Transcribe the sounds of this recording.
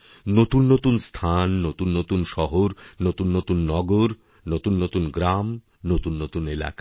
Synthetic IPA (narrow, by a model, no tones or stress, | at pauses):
not̪unːot̪unst̪ʰanːot̪unːot̪unʃɔɦoɾnot̪unːot̪unːɔɡoɾ | not̪unːot̪unɡɾam | not̪unːot̪unela̰ka